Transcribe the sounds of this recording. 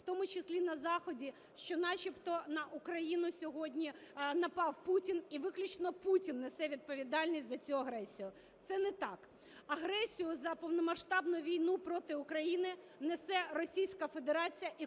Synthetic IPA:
wt̪ɔmʊt͡ʃɪsʲlʲinɐzɑxɔdʲi | ʃt͡ʃɔnɑt͡ʃʲipt̪ɔnɐʔʊkɾɐjinʊsʲɔɦɔdʲnʲinɐpɑwputʲiniʋɪklʲʊt͡ʃnɔputʲinːesɛʋʲid̪̚pɔʋʲid̪ɑlʲnʲisʲtʲzɐt͡sʲuɐɦɾɛsʲijʊ | t̪sɛnɛt̪ɑk | ɐɦɾɛsʲijʊzɐpɔwnɔmɐʃt̪ɑbnʊjʊʋʲijnupɾɔt̪ɪʊkɾɐjinɪ | nesɛrɔsʲijsʲkɐfe̞d̪eɾɑt͡sʲijɐʔi

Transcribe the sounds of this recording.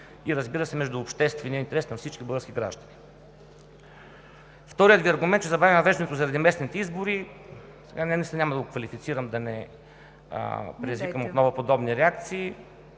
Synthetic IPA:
iɾɐzbiɾəsɛmɛʒd̪uːpʃt̪ɛst̪vɛniint̪ɛɾɛsnɐfsit͡ʃkʲiblˠɡəskʲiɡɾa̰ʒd̪ɐni | ft̪ɔɾijət̪viɐɾɡʊmɛnt̪̚t͡ʃɛzɐbavimnɐvɛʒd̪ɐnɛt̪oʊzɐɾɐd̪imɛsnit̪ɛizboɾi | sɛɡanɛnɛsɛnʲamɐd̪ɐɡokvɐlifit̪siɾəmd̪ɐnɛ̰ | pɾɛizvikəmot̪nɔvopod̪ɔbniɾɛak̚t̪siː

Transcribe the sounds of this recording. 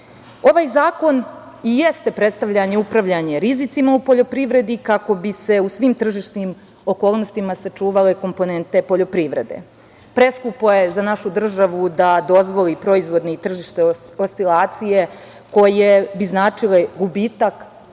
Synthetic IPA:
o̞ʋaːjzaːko̞n | ijest̪e̞pɾet̪st̪aʋʎaɲeupɾaʋʎaɲe̞ɾizit̪simaupo̞ʎo̞pɾiʋɾe̞d̪ikako̞bise̞usʋimt̪r̩ʒiʃnim | o̞ko̞ːlˠno̞st̪imasat͡ʂuːʋale̞ko̞mpo̞ne̞nt̪e̞po̞ʎo̞pɾiʋɾe̞̰d̪e̞̰ | pɾe̞skupoje̞zanaʃud̪r̩ʒaʋud̪ad̪o̞zʋo̞lipɾo̞izʋo̞d̪neit̪r̩ʒiʃt̪eost̪ilaːt̪sije̞ | ko̞jebiznaːt͡ʂile̞ɡubiːt̪ak

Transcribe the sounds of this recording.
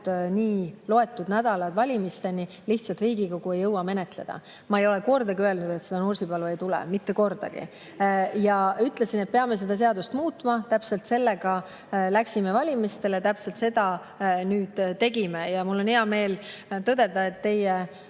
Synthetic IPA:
niːlo̞e̞t̪ːˑud̪næd̪̥ɑlɑd̪vɑlʲimist̪e̞ni | liht̪sɑlt̪riːɡ̥iko̞ɡ̥ue̞jːɤwːɑme̞ne̞t̪le̞̰d̪̥ɑ̰ | mɑejo̞le̞ko̞rd̪ɑɡiøelnud̪̥e̞t̪se̞d̪ɑnursibɑlue̞jt̪ulɛ̰mit̪ːe̞ko̞rd̪̥ɑ̰ɡ̥ḭ | jɑyt̪ˑle̞sine̞t̪̚pe̞ɑme̞s̬e̞d̪̥ɑs̬e̞ɑd̪ust̪muːt̪ːˑmɑt̪æpse̞lt̪se̞lːe̞ɡ̥ɑ | læksime̞vɑlʲimist̪e̞let̪æpselt̪se̞d̪̥ɑ | nyːd̪̥t̪ːe̞ɡ̥imejɑmulːo̞nheɑme̞ːlt̪ɤd̪e̞d̪ɑe̞t̪ːe̞je

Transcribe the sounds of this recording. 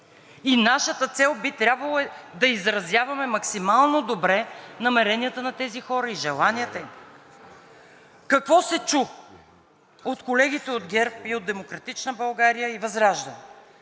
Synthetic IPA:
inaʃət̪ət̪sɛlˠbit̪ɾʲabvɐlˠd̪ɐizɾɐzjavɐmɛmɐksimalˠnod̪obɾɛnɐmɛɾɛniət̪ənɐt̪ɛzixɔɾəiʒɛlˠaniət̪əim | kɐkvɔsɛt͡ʃux | ot̪kolɛɡʲit̪ɛod̪ɡʲɛɾpiod̪ɛmokɾɐt̪it͡ʃnəbɐlˠɡaɾijəivɐzɾaʒd̪ɐnɛ

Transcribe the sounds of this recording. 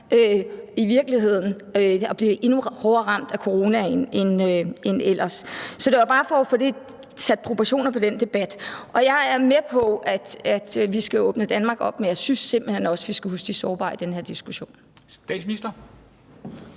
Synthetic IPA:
øiʋiɐɡ̥liɦe̝ð̰ˠn̩ | øɒ̽b̥liːʔe̝nuhɒːɐːʁɑ̈m̰d̥ækʰo̝ʁo̝ːnæenenøenelʔɐsːɒd̥e̝ʋɑ̈b̥ɑ̈ːfɒfɒd̥e | sʰæd̥̚pʰʁo̝pʰɑɕo̝̰ːnɐpʰɒ̽d̥end̥e̝b̥æd̥ʔɒ̽jɑ̈ɪæɐmepʰɒ̽æd̥æd̥ʋisɡ̥æɔ̽ːb̥nəd̥ænmɑ̈ːɡ̥ɒ̽b̥menjɑ̈ɪsynsːe̝m̰b̥l̩hen̰ɒ̽sʋisɡ̥æɦusɡ̥d̥isɒːb̥ɑ̰̈ːid̥enheɐ̰d̥isɡ̥uɕo̝̰ːn | sd̥ɛ̰̥sminisd̥ɐ

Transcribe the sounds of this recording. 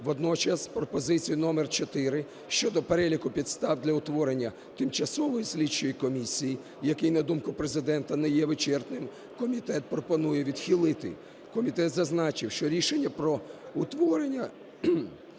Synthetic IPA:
ʋɔd̪nɔt͡ʃɐspɾɔpɔzɪt͡sʲijinɔmert͡ʃɔt̪ɪɾɪ | ʃt͡ʃɔd̪ɔpeɾɛlʲikʊpʲid̪st̪ɑwd̪lʲɐʊt̪ʋɔɾenʲːɐ | t̪ɪmt͡ʃɐsɔʋɔjisʲlʲit͡ʃːɔjikɔmʲisʲiji | jɐkɪjnɐd̪umkʊpɾezɪd̪ɛnt̪ɐnɛjɛʋɪt͡ʃɛrt̪nɪm | kɔmʲit̪ɛt̪̚pɾɔpɔnujɛʋʲid̪xʲilˠɪt̪ɪ̰ | kɔmʲit̪ɛt̪zɐznɑt͡ʃɪwʃt͡ʃɔɾʲiʃenʲːɐpɾɔʊt̪ʋɔɾenʲːɐ

